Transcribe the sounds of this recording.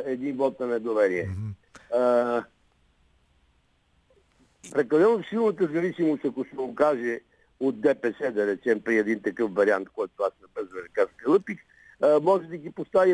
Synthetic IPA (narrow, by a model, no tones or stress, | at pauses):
ɛd̪invɔt̪̚nɐnɛd̪ovɛɾiɛ | ə | pɾɛkɐd̪ɛlosilˠnət̪əzɐvisimost̪ɐkosɛokaʒɛ | od̪̚d̪ɛpɛsɛd̪ɐɾɛt͡ʃɛmpɾiɛd̪int̪ɐkɤfvɐɾia̰nt̪kɔjt̪oasnɐpɛzvənɛkaskəlˠɤpik | əmɔʒɛd̪ɐɡipost̪avi